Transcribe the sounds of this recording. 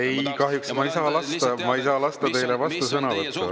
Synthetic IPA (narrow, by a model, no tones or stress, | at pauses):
e̞jkɑɦjuksmɑjsɑːlɑst̪ɑmɑejsɑːlɑst̪ɑt̪e̞jlevɑst̪usɤnɑvɤtt̪ːu